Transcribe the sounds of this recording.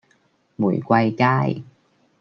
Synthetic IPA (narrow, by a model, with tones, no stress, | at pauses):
mṵ˨˩jkʷa˧jkaː˥˩j